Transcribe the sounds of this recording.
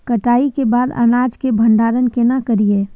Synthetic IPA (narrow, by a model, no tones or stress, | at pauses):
kəʈaːikebaːd̪ə̰naːd͡ʒkebʱə̃nd̪aːɾənkenakəɾieː